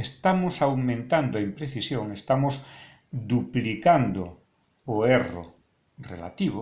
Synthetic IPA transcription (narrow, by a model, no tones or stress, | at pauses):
est̪amosawmẽnt̪and̪oempɾeθisjõŋest̪amos | d̪uplikand̪o̰ː | ero̰ | rḛla̰t̪iβ̞o